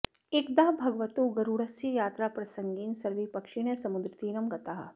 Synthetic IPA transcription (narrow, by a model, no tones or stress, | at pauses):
ek̚d̪aːbʱɐɡʋɐt̪uːɡɐɾuɽɐsjɐjaːt̪ɾaːpɾɐsɐŋɡiːnsɐɾʋipɐkʂiɳjɐsɐmud̪ɾɪt̪iːɾɐmɡɐt̪aɦɐ̰